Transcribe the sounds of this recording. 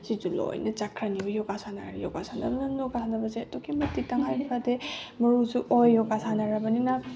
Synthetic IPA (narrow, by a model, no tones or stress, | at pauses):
sizulo̰jnɐt͡ʃakʰɾaniojɔkasʰana̰ɾḭjɔkasʰana̰bnɐnnɔkasʰanabɐzeɐtukʰimɐtik̚taŋɦajpʰɾademɐɾuzuʔojːɔkasʰanaɾabɐnina